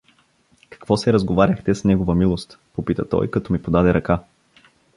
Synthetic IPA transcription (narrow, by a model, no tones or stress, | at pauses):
kɐ̥kvɔsɛɾɐzɡovaɾʲɐxt̪ɛsnɛɡovəmilˠost̪ | popit̪ət̪ɔ̰jkɐt̪ɔmipod̪ad̪ɛɾɐka